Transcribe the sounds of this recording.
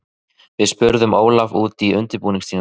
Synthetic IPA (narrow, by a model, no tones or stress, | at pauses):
vɪðspʏɾðʏmoːwlavuːt̪iʏnt̪ɪɾpuːniŋsin